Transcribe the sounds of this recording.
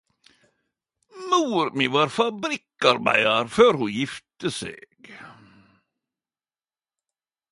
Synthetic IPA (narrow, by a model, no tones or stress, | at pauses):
muːɾmiʋɑːɾfabɾɪkːaɾmæ̰ɪaɾføːɾhʊnjɪft̪əsḛːɡ̥